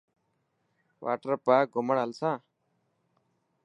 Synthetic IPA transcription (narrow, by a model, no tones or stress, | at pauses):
ʋʔa̰ːʈəəɾpaːɡʱʊməɳɦəlsãː